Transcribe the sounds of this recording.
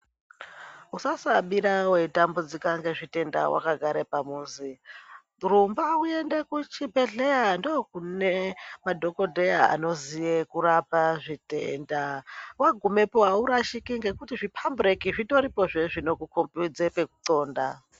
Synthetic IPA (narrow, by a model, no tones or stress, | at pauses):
usasaɓiɾaweitambud͡zikaŋɡe̞ʐite̞nda̰wʔa̰kaɡʱaɾepamuːnzi | rumbaue̞nde̞kut͡ʃibe̞ɮe̞jandokunemadʱo̞ko̞dʱejaa̰no̞zijekuɾapaʐitḛndawaɡʱume̞poɦauɾaʃikiŋɡe̞kutiʐipʰambrekiʐito̞ɾipo̞ʐeʐino̞kukompud͡zepe̞kuǀo̞ːnda